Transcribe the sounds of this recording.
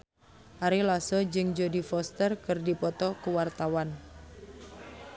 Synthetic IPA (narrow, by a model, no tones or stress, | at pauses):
ʔaɾilasɔd͡ʒɨŋd͡ʒodifɔst̪ərkɨrdipɔt̪ɔkuwart̪awan